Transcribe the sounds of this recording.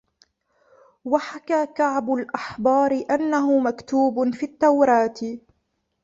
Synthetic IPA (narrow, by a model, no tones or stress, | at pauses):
waħakaːkaʕbʊlʔaħbɑːɾɪʔanːaɦʊmakt̪uːbfiːt̪ːawɾˤɑːt̪